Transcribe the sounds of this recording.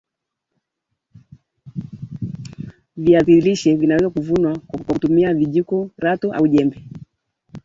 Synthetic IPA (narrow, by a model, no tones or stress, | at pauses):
viaθiliʃɛvinawɛzakuvunwakautumiaviʄikɔɾatɔʔa̰uʄɛmbɛ